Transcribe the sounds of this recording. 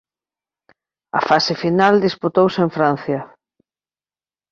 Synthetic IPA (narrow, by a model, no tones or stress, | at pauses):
ɐ̰fasɪfinald̪isput̪owseɱfɾan̟θjɐ